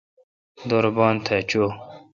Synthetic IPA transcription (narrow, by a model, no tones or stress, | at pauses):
d̪oɾbɑːnt̪ʰet͡ɕo